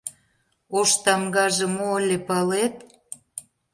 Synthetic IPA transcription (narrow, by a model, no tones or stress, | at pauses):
oʃt̪ɑmɡɑʒĕmoəlʲepɑlet̪̚